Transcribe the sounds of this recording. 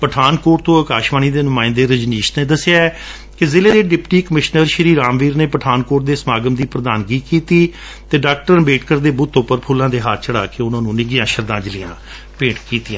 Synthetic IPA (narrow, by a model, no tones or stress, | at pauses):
pəʈʰaːnkoːʈt̪õːəkaːʃʋaːniːd̪eːnʊmãːɪ̃nd̪eːɾəd͡ʒniːʃt̪neːd̪əsɪjaːɛ | kɪzɪleːd̪eːɖɪpʈiːkəmɪʃnəɾʃəɾiːɾaːmʋiːɾneːpəʈʰaːnkoːʈ̚d̪eːsmaːɡəmd̪iːpɾəd̪aːnɡiːkiːt̪iː | t̪eːɖaːk̚ʈəɾbeːʈkəɾd̪eːbʊt̪ːʊpəɾpʰuːlãːd̪eːɦaːɾt͡ʃəɽaːkeːʊnãːnũːnɪɡɪjãːʃəɾd̪ãːd͡ʒəlɪjãː | pẽːɳʈkiːt̪ɪjãː